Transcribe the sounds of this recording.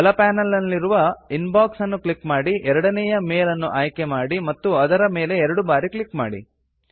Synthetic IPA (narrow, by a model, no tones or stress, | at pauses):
ɐlɐpaːnɐlːɐlːiɾuʋɐinbaːksɐnːuklikmaːɽiʔɛɾɐɽɐnɛjɐmeːlɐnːuʔaːjke̞maːɽimɐt̪ːuɐd̪ɐɾɐme̞ːle̞ɛɾɐɽubaːɾikɭikmaːɽḭ